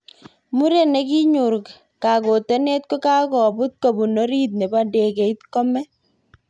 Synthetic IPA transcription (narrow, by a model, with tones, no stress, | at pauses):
mu˦ɾe˦ne˨ki˦ɲu˨ɾk | ka˨ko˨te˦ne˦t̪̚ko˦ka˦kɔ˨bu˦t̪̚ko˨bu˨no˦ɾi˦t̪̬̚ne˨ba˦nde˨ke˨i˦t̪kɔ˦mɛ˦